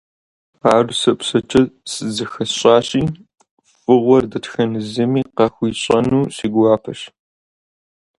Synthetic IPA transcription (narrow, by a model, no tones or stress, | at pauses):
aːrsɨpsɐt͡ʃʼʰɐsɨzɨxɐɕʼɑːɕiː | fʼɨʁʷɔrdɐtxɐnɨzɐmiːqɑxʷiːɕʼɐnuːsiːɡʷaːpʰɐʃ